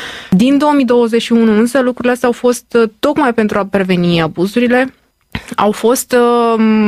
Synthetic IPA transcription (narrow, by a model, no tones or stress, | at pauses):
d̪ind̪o̞omid̪o̞wəzet͡ʃʃiunuɨnsəlukɾuɾileast̪ɛawfo̞st̪ːo̞kmajpe̞nt̪ɾuapɾe̞ve̞niabuzuɾile̞ | a̰wfo̞st̪